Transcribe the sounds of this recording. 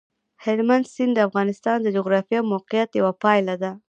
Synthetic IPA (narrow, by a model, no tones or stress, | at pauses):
hɪlmand̪sɪnd̪əafɣɑnɪst̪ɑnd̪əd͡ʒuɣɾɑfijewmowqɪjat̪jawapɑjlad̪a